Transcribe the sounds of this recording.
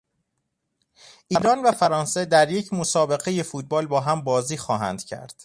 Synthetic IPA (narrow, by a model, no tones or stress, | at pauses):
ʔiːɾɒːnvæfæɾɒːnse̞d̪æɾje̞cʰmo̞sɒːbe̞ɣe̞je̞fuːt̪̚bɒːlbɒːɦæmbɒːziːxɒːɦæ̰nd̪̥cʰæ̰ɾd̪̥